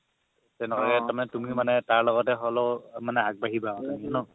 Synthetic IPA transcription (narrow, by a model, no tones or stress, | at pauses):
tɛnɛkakɛaɹmanɛtumimanɛtaɹlɔɡɔtɛɦɔlɔmanɛaɡ̚baɦibaɔtamianɔ